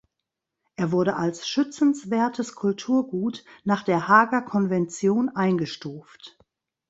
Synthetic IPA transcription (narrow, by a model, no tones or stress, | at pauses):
ʔeːɐvʊɐɾəʔalsʃʏt͡sn̩sv̥eːɐtʰəskʰʊltʰuːɐɡuːtnaːχd̥eːɐɦaːɡɐkʰɔnvɛnt͡sjoːnʔaɪnɡəʃtuːft